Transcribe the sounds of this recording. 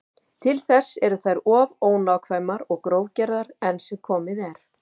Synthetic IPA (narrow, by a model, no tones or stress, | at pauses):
t̪ʰɪlθɛsːɛɾʏθajɾɔːvoːwnawkʰvajmaɾɔɣkɾoːwcɛɾðaɾɛnsɛmkʰɔːmɪðɛɾ̥